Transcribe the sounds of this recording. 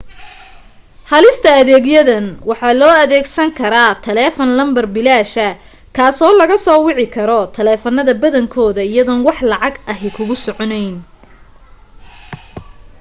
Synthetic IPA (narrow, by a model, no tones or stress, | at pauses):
hɐlɪst̪ʰɐɐðɛːɡjɐðɐnwɑħɑːlɔːɐðɛːɡsɐŋkʰɐɾaːt̪ʰɐlɛːfɔnlɐmbɐrbɪlaːʃɐ | kʰaːsɔːlɐɣɐsɔːwɪʕɪkʰɐɾɔt̪ʰɐlɛːfɐnːɐðɐbɐðɐŋkʰɔːðɐɪjɐðɔnwɑħlɑʕɑɡʔɐɦɪkʰʊɣʊsɔʕɔnɛjn